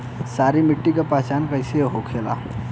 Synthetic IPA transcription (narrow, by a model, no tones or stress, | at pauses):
saɾimiʈːikapat͡ʃankəjseɦokʰela̰